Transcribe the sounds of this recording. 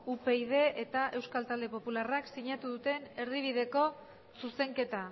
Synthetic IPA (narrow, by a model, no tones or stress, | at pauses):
upe̞ið̞e̞ʔet̪aʔe̞wskalt̪ald̪e̞po̞pularaksiɲat̪uðut̪e̞ne̞ɾðiβ̞iðe̞ko̞ | suse̞ŋke̞t̪a